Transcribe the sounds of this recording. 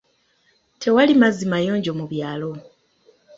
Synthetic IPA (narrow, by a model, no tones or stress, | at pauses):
tʰe̞walimazimajo̞ːɲɟo̞muβjaːlo̞